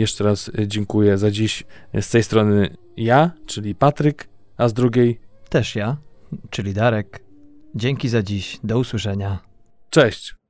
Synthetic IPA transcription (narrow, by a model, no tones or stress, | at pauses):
jɛʂt͡ʂɛɾasd͡ʑɛŋkujɛzad͡ʑiɕst̪ɛjst̪ɾɔnɘ | jat͡ʂɘlʲipat̪ɾɘk | azd̪ɾuɡʲejt̪ɛʂjat͡ʂɘlʲid̪aɾɛk | d͡ʑɛŋkʲizad͡ʑiɕd̪ɔuswɘʂɛɲa | t͡ʂɛɕt͡ɕ